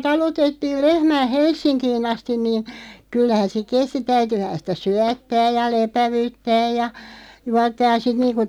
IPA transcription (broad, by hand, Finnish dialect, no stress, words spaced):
tɑlutetːiːl lehmæː helsˑinkiːn ɑstin niːn kylːæhæn se kesti tæytyhæn sitæ syætːæːj jɑ lepæʋyˑtːæːj jɑ juɑtːɑːj jɑ sit niːnku